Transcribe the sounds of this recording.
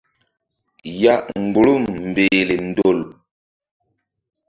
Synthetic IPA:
ja˦ʔŋ˨ɡ͡bu˨lu˦˨mm˨beː˨li˨n̩˨˦do˨l

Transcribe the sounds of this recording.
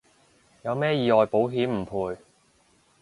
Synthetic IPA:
jɐ˨˧wmɛː˥jiː˨˧ɔː˨jpo˨˥wɦiː˨˥mm̩˨˩pʰuː˨˧j

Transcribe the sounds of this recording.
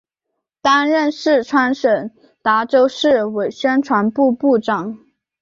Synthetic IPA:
t̪a˥nɻə˥˧nʂɻ̩˥˩ʈ͡ʂʰwa˧˥nʂə˨˩n | t̪a˧˥ʈ͡ʂo˥ʊʂɻ̩˥˩we˨˩ɪɕɥɛ˥nʈ͡ʂʰwa˧˥npu˥˧pu˥˩ʈ͡ʂɑ˨˩˦ŋ

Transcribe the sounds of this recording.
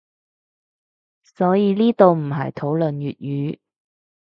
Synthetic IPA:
sɔː˨˥jiː˨˧liː˥t̪o˨wm̩˨˩ɦɐ̰˨jt̪ʰo˨˥wlɵ˨njyː˨t̚jyː˨˥

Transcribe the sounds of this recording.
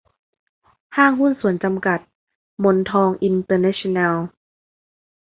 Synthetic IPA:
haː˥˩ŋɦu˥˨nsu˨˩˦ənt͡ɕa˧mka˨˩t̪̚ | mo˧nt̪ʰɔː˧ŋʔi˧nt̪ɤː˧na˦˥ɕi˧na˧l

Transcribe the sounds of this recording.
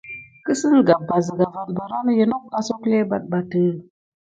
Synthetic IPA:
kə˦sɨ˦ŋ˨ɡa˨ba˨zə˨ɡa˨va˨nba˨ɾa˦nə˦je˦no˦k̚a˦so˦kle˦ba˨t̚ba˨təː˨˦˨

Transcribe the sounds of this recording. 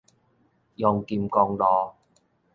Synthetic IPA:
jɔː˨˩ŋkiː˧mkɔː˧ŋlɔː˨˧

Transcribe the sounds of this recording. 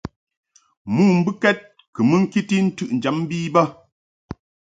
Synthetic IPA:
muː˦˨m̩˦bɨ˦kɛ˦t̚ | kɨ˨mɨ˦ŋ̩˦ki˦ti˦n̩˦tʉ˦ʔn̩˨d͡ʒɛ˨˦m˦biː˦bə˦

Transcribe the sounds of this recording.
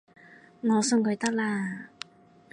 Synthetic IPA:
ŋɔː˨˧sɵ˧ŋkʰɵ˨˧ɥt̪ɐ˥k̚laː˧

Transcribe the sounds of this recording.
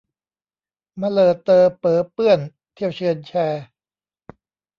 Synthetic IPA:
ma˧lɤː˨˩t̪ːɤː˧pɤː˨˩pɯ˥˩ən | t̪ʰi˥˩wt͡ɕʰɯ˧ənt͡ɕʰɛː˧

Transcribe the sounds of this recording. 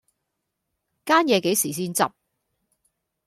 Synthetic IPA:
kaː˥njɛː˨˧ke˨˥jsiː˨˩s̬iː˥nt͡sɐ̰˨p̚

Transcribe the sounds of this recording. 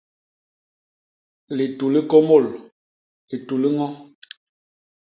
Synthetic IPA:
li˨tu˨li˦ko˦mo˦˨l | i˨tu˨li˦ŋɔ˦

